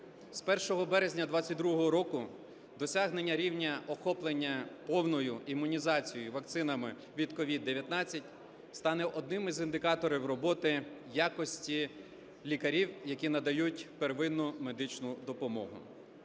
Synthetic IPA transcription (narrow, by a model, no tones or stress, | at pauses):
spɛrʃɔɦɔbɛɾezʲnʲɐd̪ʋɑt͡sʲːɐt̚ʲd̪ɾuɦɔɦɔɾɔkʊ | d̪ɔsʲaɦnenʲːɐɾʲiwnʲɐʔɔxɔplˠenʲːɐpɔwnɔjʊimːʊnʲizɑt͡sʲijɔjʊʋɐk̚t̪sɪnɐmɪ | ʋʲid̪kɔʋʲid̪ːeʋʲjɐt̪nɑt͡sʲːɐtʲ | st̪ɑnɛʔɔd̪nɪmɪzind̪ɪkɑt̪ɔɾɪwrɔbɔt̪ɪjakɔsʲtʲi | lʲikɐɾʲiwjɐkʲinɐd̪ɐjutʲpeɾʋɪnːʊme̞d̪ɪt͡ʃnʊd̪ɔpɔmɔɦʊ̰